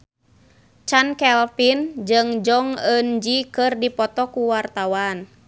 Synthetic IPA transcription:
t͡ʃankɛlpind͡ʒɨŋd͡ʒɔŋənd͡ʒikɨrdipɔt̪ɔkuwart̪awan

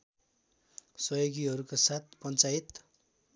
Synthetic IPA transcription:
sʌjoɡiɦʌɾukosat̪̚ʰpʌnt͡sajit̪

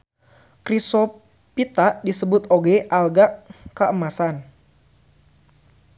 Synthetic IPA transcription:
kɾiso | pit̪aʔdisəbʊt̪oɡɛʔalɡaʔkəʔəmasan

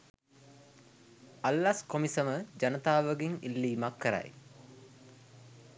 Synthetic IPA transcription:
alːaskomisəməd͡ʒanət̪aːʋəɡiŋilːiːmakːəɾa̰j

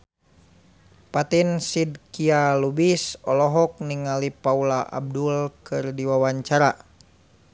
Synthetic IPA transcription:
pat̪insid̚kialubisɔlɔɦɔk̚niŋalipaulaʔa̰b̚dulkɨrdiwawaɲt͡ʃaɾa

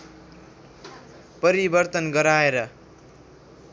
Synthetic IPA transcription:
pʌɾibʌrt̪ʌnɡʌɾaeɾʌ

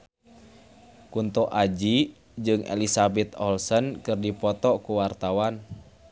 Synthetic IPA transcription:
kunt̪ɔʔad͡ʒi | d͡ʒɨŋḛlisabɛt̪ɔlsənkɨrdipɔt̪ɔkuwart̪awan

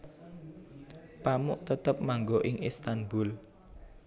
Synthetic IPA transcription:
pamʊ̰ʔt̪ət̪əp̚maŋɡoʔɪŋist̪anbʊl

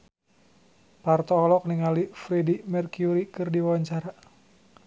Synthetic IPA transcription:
part̪ɔːlɔk̚niŋalifɾedimɛrkjuɾikɨrdiwaaɲt͡ʃaɾa

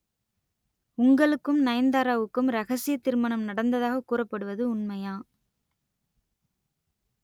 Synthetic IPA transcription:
ʊŋɡɐɭɯkːɯmnɐjɐnd̪aːɾaːʋɯkːɯmɾɐɣɐsɪjɐt̪ːɪɾmɐɳɐmnɐɽɐnd̪ɐðaːɣɐkːuːrɐpːɐɽɯʋɐðɯʊnmɐjaː

